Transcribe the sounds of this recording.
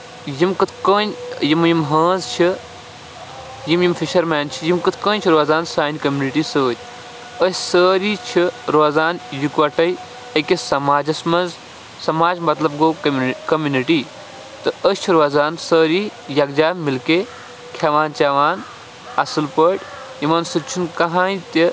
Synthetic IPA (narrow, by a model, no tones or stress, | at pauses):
jimkɨt̪ʰkəːnʲjimjimɦə̃ːnzt͡ʃʰi | jimjimfiʃɐɾmeːnt͡ʃʰijimkɨt̪ʰkə̃ːnʲt͡ʃʰiɾoːzaːnsaːnʲkɐmʲjuniʈiːsəːɾʲ | əsʲsəːɾiːt͡ʃʰiɾoːzaːnjukʋɐʈɐj | ekʲesɐmaːd͡ʒɐsmɐnz | sɐmaːd͡ʒmɐt̪lɐbɡoːkɐmjuniʈiː | t̪ɨəst͡ʃʰiɾoːzaːnsəːɾiːjɐkd͡ʒaːmilkeː | kʰaʋaːnt͡ʃaːʋaːn | ɐsɨlpəʈʲ | jimɐnsɨt͡ʃʰunkɐɦãːjt̪i